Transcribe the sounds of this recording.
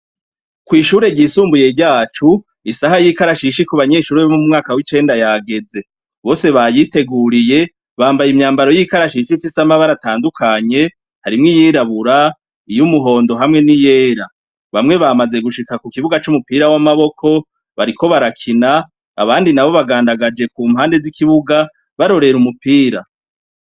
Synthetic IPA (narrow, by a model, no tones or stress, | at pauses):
kwiːʃuːɾe̞ɾɟiːsuːmbuje̞ɾɟaːt͡ʃu | isahajikaɾaʃiʃikuβaɲe̞ːʃuːɾeβomumumŋaːkawit͡ʃe̞ːndajaɡe̞ze̞ | βo̞ːse̞βajite̞ɡuːɾije̞ | βaːmbajimɲaːmbaɾo̞jikaɾaʃiʃifisamaβaɾataːndukʰaɲe̞ | haɾimŋijiːɾaβuɾa | ijumuɦo̞ːndo̞ɦamŋe̞nije̞ːɾa | βamŋe̞βamaze̞ɡuʃikakukiβuɡat͡ʃumupiːɾawamaβo̞kʰo̞ | βa̰ɾikʰo̞βaɾakʰina̰ː | βaːndinaβo̞βaɡaːndaɡad͡ʒe̞kuːmhaːnde̞zikʰiβuɡa | βaɾo̞ɾe̞ɾumupiːɾa̰